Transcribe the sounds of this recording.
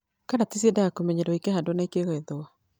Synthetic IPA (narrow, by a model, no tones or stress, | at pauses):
kanatis̬iɛdajakomɛɲeɾoikehadonaikeɣɛɛðoa